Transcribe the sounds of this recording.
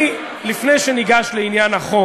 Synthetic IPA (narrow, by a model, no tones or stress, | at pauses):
lifnejʃeniɡaʃleinjanaχo